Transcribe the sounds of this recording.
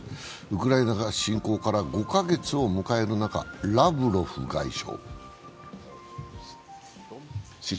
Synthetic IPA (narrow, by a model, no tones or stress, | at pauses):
ɯkɯ̟ɾaenaɡaɕĩŋko̞ːkaɾaɡo̞kaɡe̞t͡sɨo̞mɯ̟kae̞ɾɯ̟naka̰ɾabɯ̟ɾo̞ɸɯ̟̰ɡa̰iɕo̞̰ː